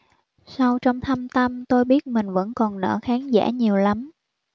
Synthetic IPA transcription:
sa˧wt͡ɕɔ˧wŋ͡mt̪ʰa˧mt̪ə˧mt̪o˧jɓi˦˥ət̚mï˨˩ŋ̟və̰˧˥nkɔ˨˩nnə̰ː˧˥xaː˨˦ŋza̰ː˧˥˩ɲi˨˩əwla˨˦m

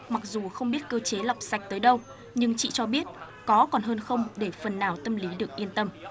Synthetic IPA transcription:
ma˨˩k̚zu˨˩xə˧wŋ͡mɓi˦˥ət̚kəː˧t͡ɕe˨˦la˨˩wp̚sa˨˩jk̟̚t̪əː˨˦jɗə˧w | ɲɨ˧ŋt͡ɕḭ˧˨t͡ɕɔ˧ɓi˦˥ət̚ | kɔ˨˦kɔ˨˩nɦəː˧nxə˧wŋ͡mɗe˧˩fə˨˩nːaː˨˩wt̪ə˧mli˨˦ɗɨ˨˩ək̚ʔi˧ənt̪ə˧m

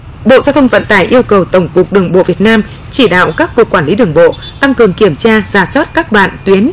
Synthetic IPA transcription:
ɓo̰˧˨zaː˧wt̪ʰə˧ŋ͡mvə̰˧˨nt̪aː˧˩jʔi˧əwkə˨˩wt̪ə˧˩wŋ͡mkʊ˨˩k̚ɗɨ˨˩əŋɓo̰˧˨vi˨˩ət̚naː˧m | t͡ɕi˧˩ɗa̰ː˧˨wkaː˦˥kːu˨˩əkːwaː˧˩nli˨˦ɗɨ˨˩əŋɓo̰˧˨ | t̪a˧ŋkɨ˨˩əŋki˧˩əmt͡ɕaː˧zaː˨˩swaː˦˥t̚kaː˦˥k̚ɗwa̰ː˧˨nt̪wi˨˦ən

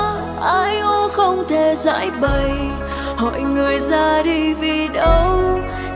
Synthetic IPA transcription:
ʔaː˧jʔo˧˦xə˧wŋ͡mt̪ʰe˨˩za̰ː˧˥jɓə˨˩j | hɔ̰˧˨jŋɨ˨˩əjzaː˧ɗi˧vi˨˩ɗə˧w

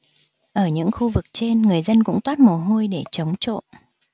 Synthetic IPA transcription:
ʔəː˧˩ɲɨ̰˧˥ŋxu˧vɨ˨˩k̚t͡ɕe˧nŋɨ˨˩əjzə˧nkʊ̰˧˥ŋ͡mt̪waː˦˥t̚mo˨˩ɦo˧jɗe˧˩t͡ɕə˨˦wŋ͡mt͡ɕo̰˧˨n

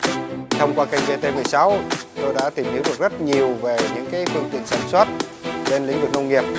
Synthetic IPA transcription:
t̪ʰə˧wŋ͡mkwaː˧ka˧jŋ̟ve˧t̪e˧mɨ˨˩əjsa˨˦wt̪o˧jɗa̰ː˧˥t̪i˨˩mʔi˨˦wɗɨ˨˩ək̚zə˦˥t̚ɲi˨˩əwve˨˩ɲɨ̰˧˥ŋkaː˨˦jfɨ˧əŋt̪ḭ˧˨ənsaː˧˩nswaː˦˥t̚ | ɓe˧nlḭ˧˥ŋwə˨˩t̚nə˧wŋi˨˩əp̚

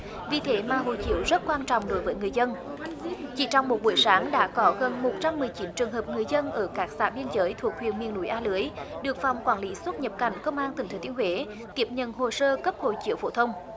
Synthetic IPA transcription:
vḭ˨˩t̪ʰe˨˦maː˨˩ɦo̰˧˨t͡ɕḭ˧˥əwzə˦˥t̚kwaː˧nt͡ɕɔ̰˧˨wŋ͡mɗo˨˦jvəː˨˦jŋɨ˨˩əjzə˧n | t͡ɕḭ˧˩t͡ɕɔ˧wŋ͡mmo˨˩t̚ɓu˧˩jsaː˨˦ŋɗa̰ː˧˥kɔ˨˦ɣə˨˩nmo˨˩t̚t͡ɕa˧mːɨ˨˩əjt͡ɕi˨˦nt͡ɕɨ˨˩əŋɦəː˨˩p̚ŋɨ˨˩əjzə˧nʔəː˧˩kaː˦˥k̚sa̰ː˧˩ɓi˧ənzəː˨˦jt̪ʰu˨˩ək̚hwḭ˧˨ənmḭ˨ənṵ˧˩jʔaː˧lɨ˨˦əjɗɨ˨˩ək̚fa̰˧˨wŋ͡mkwaː˧˩nli˨˦swə˦˥t̚ɲə˨˩p̚ka˧˩jŋ̟kə˧wŋ͡mʔaː˧nt̪ï˨˩ŋ̟t̪ʰe˨˦t̪i˨ənhwe˨˦ | k̪i˦˥əp̚ɲə̰˧˨nɦo˨˩səː˧kə˦˥p̚ho̰˧˨t͡ɕḭ˧˥əwfo˧˩t̪ʰə˧wŋ͡m

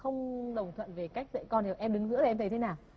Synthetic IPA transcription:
xə˧wŋ͡mɗə˨˩wŋ͡mt̪ʰwə̰˧˨nve˨˩ka˦˥jk̟̚z̰kɔ˧nde˨˩ʔɛ˧mɗɨ˨˦ŋzɨ̰˧˥lːt̪ʰt̪ʰe˨˦naː˨˩w

